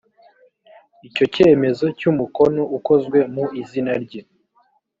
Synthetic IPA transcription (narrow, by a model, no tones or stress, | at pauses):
ico̞ce̞ːme̞zo̞cumuko̞no̞ʔuko̞zɡwe̞muʔizinaɾɟe